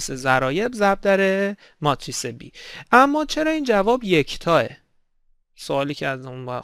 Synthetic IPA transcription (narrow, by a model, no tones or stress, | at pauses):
sezæɾɒːje̞bzæb̚d̪æɾe | mɒt̪ʰɾisebḭːʔæmːɒːt͡ʃʰe̞ɾɒːiːnd͡ʒævɒːbjecʰt̪ʰɒːḛ | soɒːliːcʰeæɾd̪unvæ